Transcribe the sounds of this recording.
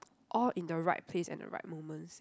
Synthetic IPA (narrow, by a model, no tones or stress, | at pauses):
ʔɔlĩndəɹaɪt̚pʰlesɛ̰̃ndə̰ɹa̰ɪt̚momə̃ns